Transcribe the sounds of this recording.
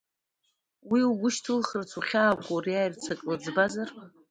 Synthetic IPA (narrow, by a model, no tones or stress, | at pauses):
wiuɡʷʊʃtʰɨlχərt͡sʰuχʲaːkʷʼowriajrt͡sʰakʼlad͡zbazar